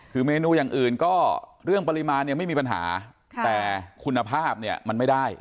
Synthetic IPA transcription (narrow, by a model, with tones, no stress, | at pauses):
kʰɯː˨˩˦meː˧nuː˧jaː˨˩ŋʔɯː˨˩nkɔː˥˩ɾɯ˥˩əŋpa˧ɾi˧maː˧nːi˥˩ma˥˩jmiː˧pa˧nɦa̰ː˩˦ | t̪ɛː˨˩kʰu˧nːa˧pʰaː˥˩p̚ni˥˩ɐma˧nma˥˩jda˥˩j